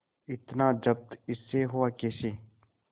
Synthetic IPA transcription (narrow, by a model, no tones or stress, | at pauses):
ɪt̪naːd͡ʒəb̚t̪ɪsːeːɦʊaːkeːseː